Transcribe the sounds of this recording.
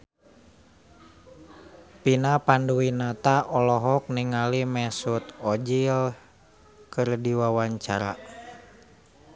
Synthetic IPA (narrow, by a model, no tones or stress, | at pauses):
pinapanduinat̪aʔɔlɔɦɔk̚niŋalimɛsut̪ɔd͡ʒil | kɨrdiwawaɲt͡ʃa̰ɾa̰